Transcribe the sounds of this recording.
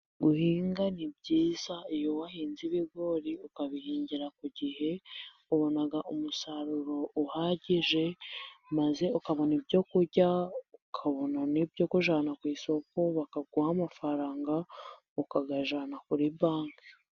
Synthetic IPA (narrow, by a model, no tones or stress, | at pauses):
ɡuhiːŋɡanib̚ɟiːz̥aijowahiːnziβiɡo̞ɾiukaβihiːɲɟiɾakuɟihe̞ | uβo̞naɡaʔumusaɾuɾo̞uhaːɟiʒe̞maze̞ukaβo̞nibjo̞kuɾɟaukʰaβo̞nanibjokuʒaːnakwiːso̞ko̞βakaɡuhamafaɾaːŋɡa | ukaɡaʒaːnakuɾibaːŋka